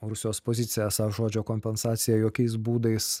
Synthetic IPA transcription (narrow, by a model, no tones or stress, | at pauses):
ɾʊsʲɪjoːspoːzʲɪt̪sʲɪjɛsɑʒoːd͡ʒʲoːkoːmʲpʲɛnsɑːt̪sʲɪjɛjoːkʲɛɪs̬buːd̪ɐɪs